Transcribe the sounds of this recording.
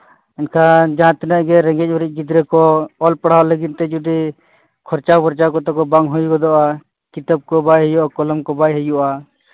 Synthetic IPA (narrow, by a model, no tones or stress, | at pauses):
ɛnkʰad͡ʒãt̪ɛnəʔɡɛɾɛŋɡɛc̚ˀbɔɾic̚ˀd͡ʒid̪ɾɛkɔɔlpaɽ̤aɔləɡint̪ɛd͡ʒud̪i | kʰɔɾt͡ʃabɔɾt͡ʃakɔt̪akɔbaŋɦujkɔd̪ɔʔa | kit̪əb̚kɔbajɦɛjuʔakɔlɔmkɔbajɦɛjuʔa